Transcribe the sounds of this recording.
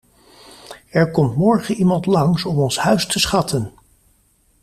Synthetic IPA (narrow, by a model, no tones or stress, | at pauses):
ɛɹkɔmtmɔɹχənimɑntlɑŋsɔmɔnshœɥstəsχɑtʰən